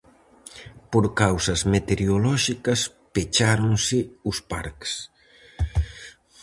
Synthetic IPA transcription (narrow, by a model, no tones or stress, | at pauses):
poɾkawsɐzmet̪eɾjolɔʃikɐs | pet͡ʃaɾoŋsɪʊspa̰ɾks